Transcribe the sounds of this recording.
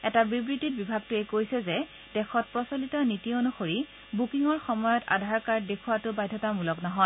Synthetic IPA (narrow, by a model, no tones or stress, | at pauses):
ɛtabibɹitit̚bibʱaɡ̚tʊɛkojsɛzɛ | d̥ɛxʰɔt̚pɹɔsolitɔnitionuxoɹi | bukiŋɔɹxɔmɔjɔta̰dʱaɹkaɹd̚dekʰuwatʊbajdʱɔtamulɔknɔɦɔ